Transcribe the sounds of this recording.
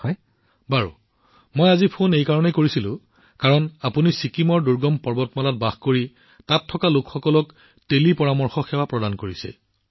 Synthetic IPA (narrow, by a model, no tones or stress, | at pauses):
ɔj | baɹṵ | mojazipʰonejkaɹɔnɛkoɹisilʊ̰̃ | kaɹɔnapunisikimɔɹduɹɡɔmpɔɹbɔtmɔlat̚baxkoɹi | tatʰːɔkalokxɔkɔlɔk | telipɔɹamɔɹxɔxɛwapɹɔdankoɹisɛ̰